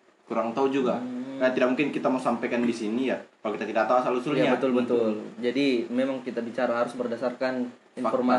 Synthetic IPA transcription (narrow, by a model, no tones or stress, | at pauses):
kuɾaŋt̪aud͡ʒuɡakanat̪idak̚muŋkɪnkit̪amausampajkandisinijakalokit̪at̪idak̚t̪ausalusʊljaɲabət̪ʊlbət̪ʊld͡ʒadimemaŋkit̪abit͡ʃaɾaɦaɾʊsbərdasarkan | infɔrma